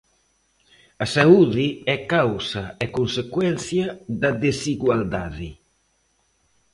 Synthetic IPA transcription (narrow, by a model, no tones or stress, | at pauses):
asauðiɛkawsɐekonsekwɛnθjaðɐðesiɣwald̪aðɪ